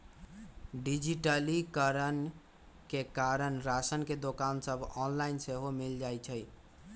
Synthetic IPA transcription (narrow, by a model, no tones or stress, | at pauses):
ɖid͡ʒiʈəlikəɾən | kekaɾənɾasənked̪okansəbʱɔnlainseɦomild͡ʒajt͡ʃʰəj